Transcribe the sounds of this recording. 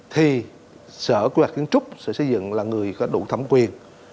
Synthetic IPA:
t̪ʰi˨˩ | səː˧˩ki˨˧˦ha˨˩k̪̚i˨˦ənt͡ɕʊ˦˥k͡p̚sɛ̰˧˥sə˧˩zɨ̰˧˨ŋlaː˨˩ŋɨ˨˩əjkɔ˨˦ɗṵ˧˩t̪ʰə˧˩mŋ͡mkwi˨˩ən

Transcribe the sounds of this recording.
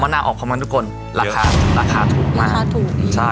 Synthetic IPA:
maː˧˥naː˧ʔɔː˨˩kʰːmaː˧t̪ʰu˥kʰo˧n | ɾaː˧kʰaː˧ɾaː˧kʰaː˧t̪ʰuː˨˩k̚maː˥˧˥aː˧t̪ʰuː˨˩kt͡ɕʰa˥˩

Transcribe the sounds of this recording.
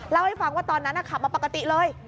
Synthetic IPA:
la˥˩wha˥˩jfa˧˩ŋwaː˥˩t̪ɔː˧nːa˦˥nʔa˨˩kʰa˨˩ma˧˩pa˨˩ka˧t̪i˨˩lɤː˧j

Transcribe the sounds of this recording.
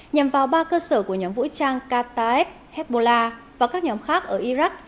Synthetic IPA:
ɲa˨˩mvaː˨˩wɓaː˧kəː˧səː˧˩ku˧˩əɲɔ˨˦mvṵ˧˥jt͡ɕaː˧ŋkaː˧t̪aː˧ɛ˦˥p̚hɛ˦˥t̚ɓo˧laː˧vaː˨˩kaː˦˥k̚ɲɔ˨˦mxaː˦˥k̚ʔəː˧˩ʔi˧za˦˥k̚

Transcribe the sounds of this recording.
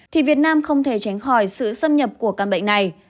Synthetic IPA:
t̪ʰi˨˩vi˨˩ət̚naː˧mxə˧wŋ͡mt̪ʰe˧˩t͡ɕa˨˦jŋxɔ˧˩jsɨ̰˧˨sə˧mɲə˨˩p̚ku˧˩əkaː˧˩nɓə̰˧˨ŋ̟na˨˩j

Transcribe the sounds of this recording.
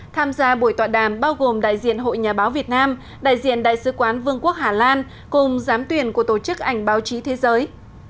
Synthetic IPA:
t̪ʰaː˧mzaː˧ɓu˧˩əjt̪waː˧˨˩ɗaː˧˩mɓaː˧wɣo˨˩mɗa̰ː˧˨jzḭ˧˨ənɦo̰˧˨jɲaː˨˩ɓaː˨˦wvi˨˩ət̚naː˧m | ɗa̰ː˧˨jzḭ˧˨ənɗa̰ː˧˨jsɨ˨˦kwaː˨˦nvɨ˧əŋku˦˥ək̚haː˨˩laː˧n | kʊ˨˩ŋ͡mzaː˨˦mt̪wi˨˩ənku˧˩ət̪o˧˩t͡ɕɨ˦˥k̚ʔa˧˩jŋ̟ɓaː˨˦wt͡ɕi˨˦t̪ʰe˨˦zəː˨˦j

